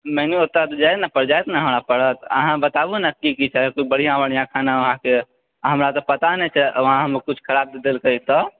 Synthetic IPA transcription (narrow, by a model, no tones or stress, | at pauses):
mɛniot̪at̪d͡ʒajt̪napəɽd͡ʒajt̪naɦəmɾapəɽət̪ə̰ɦãbət̪abunəkikit͡ʃʰɛkoibəɽ̤ijãʋəɽ̃ijãkʰanaʋəɦãke | ɦəmɾat̪ɔpət̪anɛt͡ʃʰɛʔʋəɦãɦəmekut͡ʃʰkʰəɾab̚d̪ed̪elkəit̪ɔ